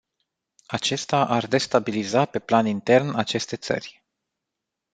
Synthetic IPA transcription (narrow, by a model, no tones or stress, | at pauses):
at͡ʃe̞st̪aʔard̪e̞st̪abilizape̞planint̪e̞rnat͡ʃe̞st̪e̞t̪sə̰rʲ